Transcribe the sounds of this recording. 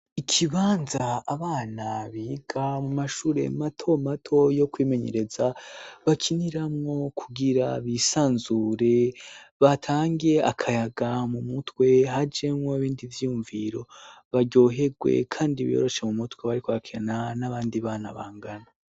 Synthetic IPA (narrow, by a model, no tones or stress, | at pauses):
ikʰiβaːnzaaβaːnaβiɡamumaʃuːɾe̞̰matʰo̞matʰo̞jo̞kwiːme̞ɲe̞̰ɾe̞zaβakʰiniɾamŋo̞kʰuɡiɾaβisaːnzuɾe̞βatʰaːŋɡe̞akʰajaɡamumutwe̞ɦad͡ʒemŋoβiːndivjijuɱviɾo̞βaɟo̞ːɦe̞ɡwe̞̰kʰaːndiβḭjo̰ɾo̞ʃe̞mumutweβaɾikoβakʰenanaβaːndiβaːnaβaːŋɡana